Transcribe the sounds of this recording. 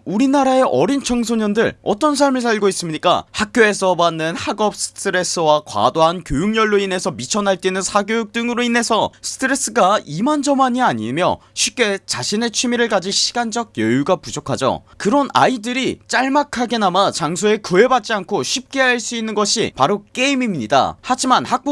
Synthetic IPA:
uɾinaɾae̞ʔʌɾint͡ɕʰʌŋsʰoɲʌndɯɭʌ̰t͈ʌns̬ʰaɭmɯɭs̬ʰaʎɡois͈ɯmɲik͈a̰hak̚k͈joe̞sʰʌbanːɯnhaɡʌp̚s͈ʰɯ̥tʰɯɾe̞s͈ɯwakwa̰doɦankjojuŋɲʌɭːoine̞sʰʌmit͡ɕʰʌnaɭt͈enɯnsʰaɡjojuk̚t͈ɯŋɯɾoine̞sʰʌsʰɯ̥tʰɯɾe̞s͈ɯɡaimand͡ʑʌmaɲiaɲimjʌ̰ɕʰip̚k͈e̞t͡ɕaɕʰine̞t͡ɕʰimiɾɯɭk͈ad͡ʑiɕʰi̥ɡand͡ʑʌɡ̚jʌjuɡapud͡ʑokʰad͡ʑo̰ | kɯɾʌna̰idɯɾit͡ɕ͈aɭmakʰaɡe̞namat͡ɕaŋsʰoe̞kɯe̞bat̚t͡ɕ͈iankʰoɕʰip̚k͈e̞ɦaaɭs͈uinːɯnɡʌɕʰḭpaɾok͈e̞imimɲida̰had͡ʑimanhak̚p͈

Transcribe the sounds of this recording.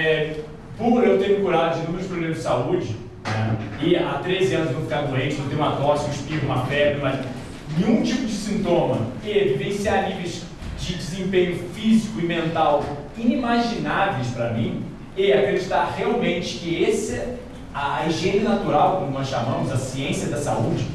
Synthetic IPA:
ɛ | puɾewt̪ẽɲʊkuɾaʊɪ̃nʊ̃mewʊspɾoblẽmɐzd͡ʒɪsaud͡ʒɪ | nɛ̰ɪat̪ɾezɪɐ̃nʊznõw̃fikaɾd̪uẽnt̪t͡ʃɪzõwt̪ẽũmɐt̪ɔskɪʃpivũmɐpɛd̪ɾɐmɐz | nẽũt͡ʃipʊd͡ʒɪsĩnt̪õmɐɪvivẽsiaɾnivejz | d͡ʒɪd͡ʒɪzẽpẽɲʊfizikʊɪmẽnt̪aw | ĩnimaʒinavejspɾɐmĩ | ɪakɾed͡ʒit̪aɾheawmẽnt͡ʃɪ̥kɪesɛ | aiʒẽnɐnat̪uɾawkõmʊnɔsʃamɐ̃mʊzɐsiẽsiɐd̪ɐsa̰ud͡ʒɪ

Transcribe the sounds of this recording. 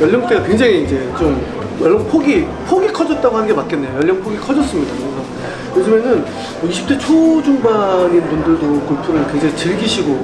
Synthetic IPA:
jʌʎːʌŋt͈eɡakweŋd͡ʑaŋiːnd͡ʑe̞t͡ɕom | jʌɭːʌŋpʰoɡi | pʰoɡikʰʌd͡ʑʌt̚t͈aɡohanɯnɡemak͈enːe̞jojʌʎːʌŋpʰoɡikʰʌd͡ʑʌs͈ɯmɲidakɯɡa | mod͡ʑʰumjʌnɯn | ʌiɕʰi̥pt͈ʰet͡ɕʰod͡ʑuŋbaɲinpundɯɭdokuɭpʰuɾɯɭkwe̞ŋd͡ʑaŋit͡ɕɯɭɡiɕʰiɡo

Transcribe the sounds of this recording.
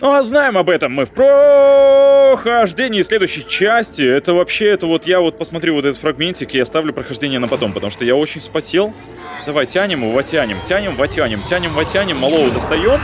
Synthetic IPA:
nuɐznajɪmɐbɛt̪əmːɨfpɾə | xɐʐdʲenʲɪːsʲlʲed̪ʊjɕːɪjt͡ɕæsʲtʲɪɛt̪əvɐpɕːeɛt̪əvo̞t̪javo̞t̪̚pəsmɐt̪ɾʲuvot̪ɛt̪ət̪fɾɐɡmʲenʲtʲɪkɪjɐst̪avlʲʊpɾəxɐʐdʲenʲɪjənəpɐt̪o̞mpət̪ɐmuʂt̪ojao̞t͡ɕɪnʲspɐsʲelˠ | d̪ɐvajtʲænʲɪmɨvɐtʲænʲɪmtʲænʲɪmvɐtʲænʲɪmtʲænʲɪmvɐtʲænʲɪmːɐlˠo̞vəd̪əst̪ɐjo̞m

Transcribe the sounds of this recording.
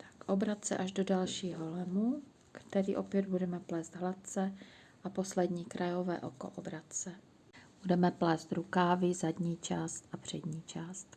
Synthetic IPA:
t̪ʰḁkʔobɾat̪t͡sɛ̰ʔaʒdodalʃiːɦolɛmu | kt̪ɛɾiːʔo̞pjɛd̪̚budɛmɛplɛːzd̪ɦlat̪̚t͡sɛ | ʔapo̞slɛdɲiːkɾajovɛːʔoko̰ʔobɾat̪t͡sɛ | b̥udɛmɛplɛːst̪ɾukaːvɪzadɲiːt͡ʃaːst̪ʔapr̝̥ɛdɲiːt͡ʃaːst̪

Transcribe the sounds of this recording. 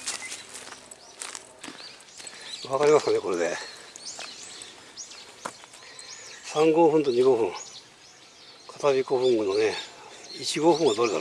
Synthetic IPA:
βakaɾʲimasɨ̥kane̞ko̞ɾe̞d̪e̞ | sãŋɡo̞ɸɯ̃nt̪oɲ̟iɡo̞ɸɯ̟̃ŋ | kʰḁt̪abʲikoɸɯ̟̃ŋɡɯnːoneit͡ɕiɡo̞ɸɯ̃ŋ̃ɡad̪oɾet̪a̰

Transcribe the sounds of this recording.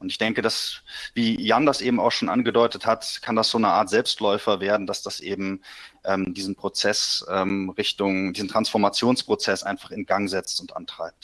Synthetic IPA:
ʔʊntɪçd̥ɛŋkədasviːjandasʔeːbm̩a̰ʊxʃoːnʔa̰nɡədɔʏtəthatkʰandasz̥oːnəʔaːɐtz̥ɛlpstlɔʏfɐveːɐdn̩dasd̥asʔḛːbm̩ʔɛːmdiːzn̩pʁ̥ot͡sɛsʔɛːmʁɪçtʊŋd̥iːzn̩tʁ̥ansfɔɐmat͡sjoːnspʁ̥ot͡sɛsʔa̰ɪnfaχɪnɡaŋzɛt͡stʊntʔa̰ntʁ̥aɪp̚t

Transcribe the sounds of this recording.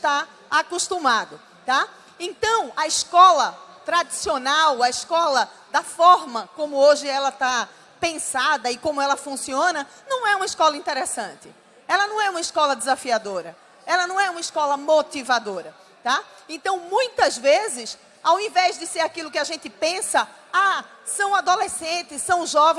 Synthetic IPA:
ʃt̪a | akuʃt̪ũmad̪ʊ | t̪a | ẽnt̪ɐ̃w̃ɐɪskɔlɐt̪ɾad̪isionawɐɪskɔlɐd̪ɐfɔɾmɐkõmʊoʒɪɛlɐt̪a | pẽsad̪ɐɪkõmʊɛlɐfũsiõnɐnɐ̃w̃ɛũmɐɪʃkɔlɐĩnt̪ɛɾesɐ̃nt̪ɪ | ɛlɐnɐ̃w̃ɛũmɐɪskɔlɐd̪ɪzafiad̪oɾɐ | ɛlɐnɐ̃w̃ɛũmɐɪskɔlɐmot̪ivad̪oɾɐ | t̪aẽnt̪ɐ̃w̃mũj̃t̪ɐzvezɪs | awẽvɛzd̪ɪseɾakilʊkɪaʒẽnt̪ɪpẽsɐ | asɐ̃w̃ad̪olesẽnt̪ɪssɐ̃w̃ʒɔvẽ

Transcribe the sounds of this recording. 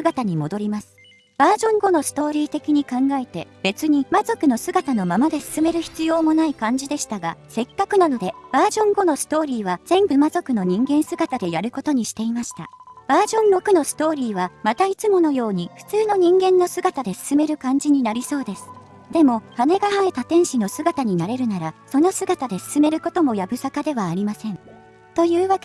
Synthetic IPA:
ɨɡat̪aɲ̟imo̞d̪o̞ɾʲimasɨ̥ | b̥aːʑõ̞ŋɡo̞no̞sɨ̥t̪o̞ːɾʲiːt̪e̞kʲiɲ̟ikãŋɡae̞t̪e̞b̥e̞t͡sɨɲ̟imazo̞kɯ̟no̞sɨɡat̪ano̞mamad̪e̞sɨ̥sɨme̞ɾɯ̟çi̥t͡sɨjo̞ːmo̞naikãɲ̟d͡ʑid̪e̞ɕi̥t̪aɡase̞kːakɯ̟nano̞d̪e̞b̥aːʑõ̞ŋɡo̞no̞sɨ̥t̪o̞ːɾʲiːβ̞az̥ẽ̞mbɯ̟mazo̞kɯ̟no̞ɲ̟ĩŋɡẽ̞ɰ̃sɨɡat̪ad̪e̞jaɾɯ̟ko̞t̪o̞ɲ̟iɕi̥t̪e̞imaɕi̥t̪a̰b̥aːʑõ̞nːo̞kɯ̟no̞sɨ̥t̪o̞ːɾʲiːβamat̪ait͡sɨmo̞no̞jo̞ːɲ̟iɸɯ̥t͡sɨːno̞ɲ̟ĩŋɡẽ̞nːo̞sɨɡat̪ad̪e̞sɨ̥sɨme̞ɾɯ̟kãɲ̟d͡ʑiɲ̟inaɾʲiso̞ːd̪e̞sɨ̥ | d̪̥e̞mo̞hane̞ɡaɦae̞t̪at̪ẽ̞ɰ̃ɕino̞sɨɡat̪aɲ̟inaɾe̞ɾɯ̟naɾaso̞no̞sɨɡat̪ad̪e̞sɨ̥sɨme̞ɾɯ̟ko̞t̪o̞mo̞jabɯ̟sakad̪e̞βaːɾʲimasẽ̞n | t̪o̞jɯ̟ːβake

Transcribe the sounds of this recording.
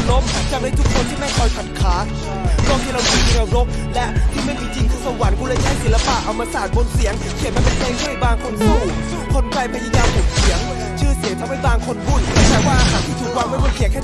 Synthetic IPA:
lomt͡ɕak̚najt̪ukʰːont̪ʰiːmajkʰɔːjpʰat̪̚kʰaː | kɔːhʰelabiːmiʔaɾok̚lɛʔt̪ʰiːmet͡ɕiŋt͡ɕiŋt̪ʰɯːsawankʰuːlajaːsilapaːk̚ʔawmaːsaːn̚bonsiŋkʰit̚mʰanpapʰeːŋt̪ʰahajbaːŋkʰonsou | kʰonklajpʰajaːjaːmhok̚siəŋ | t͡ɕʰɯːsiŋt̪ʰamhajbaːŋkʰonpʰuːnt͡ɕʰɛːwaːʔaːɦaːnt̪ʰiːt̪ʰuk̚waŋmamonkʰiəkʰɛː

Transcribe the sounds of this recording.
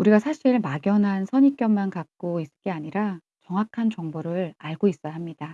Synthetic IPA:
uɾiɡasʰaɕʰiɭmaɡjʌnɦansʰʌɲik͈jʌmmankak̚k͈ois͈ɯ̥ɭk͈eaɲiɾa | t͡ɕʌŋɦwakʰant͡ɕʌŋboɾɯɭaɭɡois͈ʌjaɦamɲid̥a

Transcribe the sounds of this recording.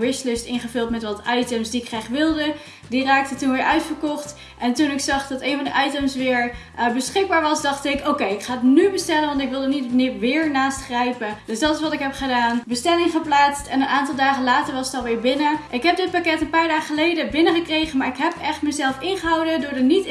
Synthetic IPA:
ʋɪslɪstɪnχəvʏlˠtmɛtʋɑtɑjtəmsdiɪkχraχʋɪlˠdə | diraːk̚tətunʋɪːɹʔœɥtfəɹkɔχt | ʔɛntunɪksɑχdɑtejnvɑndəʔɑjtəmsʋɪːɹ | bəsχɪɡ̚baːɹʋɑsdɑχtɪkowkejɪkχaːətnybəstɛlənʋɑntɪkʋɪlˠdənitnɪʋɪːɹnaːstχrɛjpədøsdɑtɪsʋɑtɪkɦɛpχədaːnbəstɛlɪŋχəplaːtstɛnənaːntɑlˠdaːχəlaːtəɹʋɑsətɑlˠʋɪːɹbɪnəʔɪkɦɛp̚dɪt̚pakɛtənpaːɹdaːχəχəlejdəbɪnəχəkrejχənmaːɹɪkɦɛpɛχtməzɛlˠfɪnχəɦʌwdədʊːɹdənit

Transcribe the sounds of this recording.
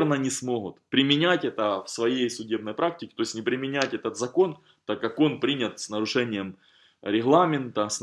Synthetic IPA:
rnənʲɪsmo̞ɦʊt̪pɾʲɪmʲɪnʲætʲɛt̪əfsvɐjejsʊdʲe̞bnəjpɾak̚tʲɪkʲɪ̥t̪o̞ɪsʲnʲɪpɾʲɪmʲɪnʲætʲɛt̪ət̪zɐko̞n | t̪akːako̞npɾʲinʲɪt̪snəɾʊʂɛnʲɪjəm | ɾʲɪɣlˠamʲɪnt̪əsn

